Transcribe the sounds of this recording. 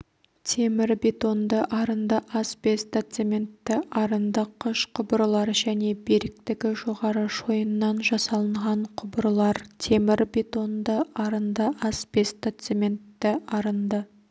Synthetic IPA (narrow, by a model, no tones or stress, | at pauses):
t̪ʰe̞mɪɾbe̞t̪o̞nd̪əʔɑɾənd̪əʔɑsbe̞st̪at̪semʲe̞nt̪ːɪʔɑɾənd̪əqʰʊʃqʰʊbəɾlˠɑɾʒæne̞beɾɪk̚t̪ɪɡʲɪʒo̞ʁɑɾəʒo̞jənːɑnʒɑsɑlˠəɴʁɑɴqʰʊbəɾəlˠɑɾt̪ʰe̞mɪɾbe̞t̪o̞nd̪əʔɑɾənd̪əʔɑsbe̞st̪at̪semʲe̞nt̪ːɪʔɑɾənd̪ə